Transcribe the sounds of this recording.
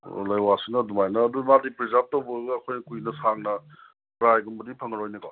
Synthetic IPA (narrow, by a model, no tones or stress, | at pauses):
lajwasɯŋnɐdumajnɐːdumadipɾizap̚towbɐɡɐːkʰojnɐkujnɐsaŋnɐ | pɾajɡumbɐdipʰɐŋɐɾojnɐɡa